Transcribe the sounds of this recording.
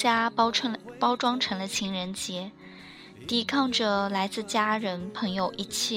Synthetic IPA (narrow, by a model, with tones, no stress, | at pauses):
t͡ɕja˥ə˧˥pɑ˥ʊʈ͡ʂwɑ˥ŋʈ͡ʂʰɤ˧˥ŋlə˧t͡ɕʰi˧˥ŋɻə˧˥nt͡ɕjɛ˧˥ | t̪i˧˥˩kʰɑ˥˩ŋʈ͡ʂə˩la˧˥ɪt͡sɹ̩˥˩t͡ɕja˥ɻə˧˥npʰɤ˧˥ŋjo˨˧˩ʊʔi˥˩t͡ɕʰjɛ˥˩